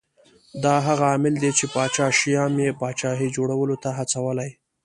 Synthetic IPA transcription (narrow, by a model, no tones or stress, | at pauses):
d̪ɑɦaɣaːmɪld̪et͡ʃepɑt͡ʃɑʃijɑmjepɑt͡ʃɑɦid͡ʒoɽawəlot̪aɦat͡sawəlaj